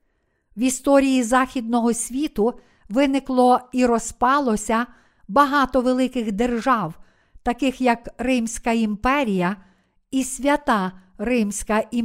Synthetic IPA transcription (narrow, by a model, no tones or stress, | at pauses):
ʋist̪ɔɾʲijizɑxʲid̪̚nɔɦɔsʲʋʲit̪ʊ | ʋɪnɪklˠɔiɾɔspɑlˠɔsʲɐ | bɐɦɑt̪ɔʋelˠɪkɪxd̪erʒɑw | t̪ɐkɪxjɐkrɪmsʲkɐimpɛɾʲijɐ | isʲʋʲɐt̪ɑrɪmsʲkɐʔi